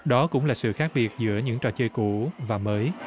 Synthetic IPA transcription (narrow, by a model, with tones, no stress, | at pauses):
ɗɔ˨˦kʊ̰˧˥ŋ͡mlaː˨˩sɨ̰˧˨xaː˦˥k̚ɓi˨˩ət̚zɨ̰˧˥əɲɨ̰˧˥ŋt͡ɕɔ˨˩t͡ɕəː˧jku˧˩˨vaː˨˩məː˨˦j